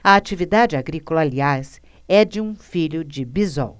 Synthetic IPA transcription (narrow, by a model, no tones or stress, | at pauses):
ɐat͡ʃivid̪ad͡ʒɪaɡɾikolɐaliaz | ɛd͡ʒɪũfiʎʊd͡ʒɪbizɔ̰w